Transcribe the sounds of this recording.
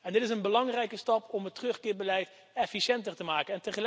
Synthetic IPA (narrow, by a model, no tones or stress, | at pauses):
ɛndɪtɪs̬ənbəlɑŋrɛjkəstɑpɔmɦətrɵχkɪːɹbəlɛjt | ɛfisɛntərtəmaːkənɛntəχəl